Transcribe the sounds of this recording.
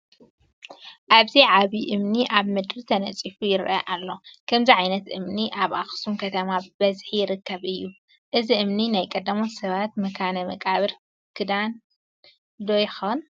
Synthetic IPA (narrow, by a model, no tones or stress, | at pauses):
ʔaβziʕaβiʔɨmniʔaβmɨd̪ɾit̪ʰɐnɐ̰t͡sʼifujɪɾʔɐ̰ʔalːo̞kʰɐmziʕajnɐt̪ʔɨmniʔaβʔaxsumkʰɐt̪ʰɐmab̥ɐzħijɪɾɨkːɐβɨjːu | ʔɨziʔɨmninajkʼɐd̪ːɐmosɐβat̪mɐkʰanɐmɐkʼaβɨɾ | kʰɨd̪an | d̪ojxɐn